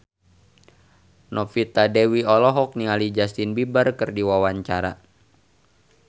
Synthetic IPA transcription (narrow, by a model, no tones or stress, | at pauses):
nɔfit̪adɛwiɔlɔɦɔk̚nialid͡ʒast̪inbibərkɨrdiwawaɲt͡ʃaɾa̰